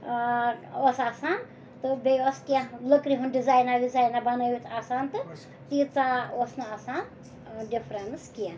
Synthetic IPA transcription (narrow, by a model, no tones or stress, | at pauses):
osaːsaːn | t̪ɨbeoskijãləkɾiɦunɖizajnadizajnabɐnəwit̪ʰasant̪ɨ | t̪it͡saosnaasan | ɖipʰɾenskijãn